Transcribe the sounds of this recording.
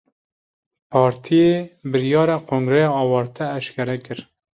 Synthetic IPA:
pʰɑːɾt̪ʰijebɨɾjɑːɾɑːkʰoːŋɡɾɛjɑːɑːwɑːɾt̪ʰɛːʃkʲɛɾɛkɨɾ

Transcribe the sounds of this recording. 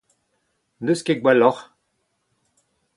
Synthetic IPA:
nəskeɡwalɔʁ

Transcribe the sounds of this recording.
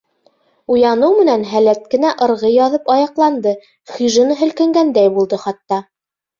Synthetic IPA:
ujɑnɤwmɘ̆nænɦælæt̪̚kɘ̆næʔɤ̆ɾʁɤjɑðɤpɑjɑqlˠɑnd̪ɤ | χʲyʒɘ̆nɤɦɵ̆lkæ̆ŋɡænd̪æjbulˠd̪ɤχɑt̪ːɑ

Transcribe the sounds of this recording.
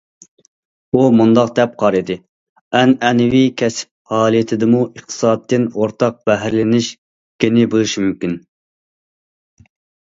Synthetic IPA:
umund̪ɑqd̪ɛp̚qʰɑɾɨd̪ɨ | ɛnɛnɪwikʲʰɛsp̚hɑːlˠijet̪ʰɪd̪ɪmuʔəχt̪ʰɨ̥sɑːt̪ːɪnoɾt̪ʰɑq̚b̥ɛɦæɾlɪnɪʃ | kʲeɪnɪbulˠɨʃmymkʲin

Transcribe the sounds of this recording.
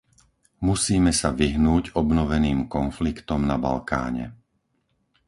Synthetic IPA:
musiːmɛsaʋiɦnuːɟɔbnɔʋɛniːmkɔnflikt̪ɔmnaba̰lka̰ːɲɛ̰

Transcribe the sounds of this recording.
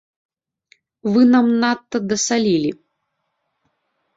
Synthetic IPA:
vɨnamnat̪ːɐd̪ɐsalʲilʲi

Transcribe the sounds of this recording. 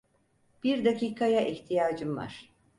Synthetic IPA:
b̥iɾd̪aciːkʰajaʔiçt̪ʰijaːd͡ʒɯmva̰ɾ̥

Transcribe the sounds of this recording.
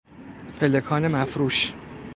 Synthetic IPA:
pʰelekʰɒːnemæfɾuːʃ

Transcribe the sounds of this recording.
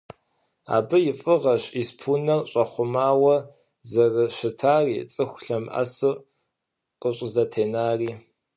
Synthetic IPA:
a̰ːbɨjɪfʼɨʁɐɕʼispʰunɐrɕʼɐχʷʊmaːwɐ | zɐrɨɕɪtʰaːrḭːt͡sʼɨxʷɬɐmʔa̰sɨ | qʼəɕʷʼzɐtʰeːnaːriː

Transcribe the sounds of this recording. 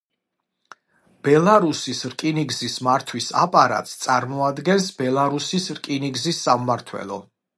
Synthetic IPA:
b̥ɛlˠaɾusisɾkʼiniɡzismaɾt̪ʰwisa̰pʼaɾa̰t̪ʼst̪sʼaɾmɔad̪ɡɛnsbɛlˠaɾusisɾkʼiniɡzisːamːaɾt̪ʰwɛ̰lˠɔ̰

